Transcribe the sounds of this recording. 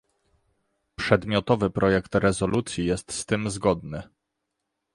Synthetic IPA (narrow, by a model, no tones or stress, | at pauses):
pʂɛd̪mʲjɔt̪ɔvɘpɾʔɔjɛkt̪ɾɛzɔlut̪sʲjijɛst̪st̪ɘmzɡɔd̪nɘ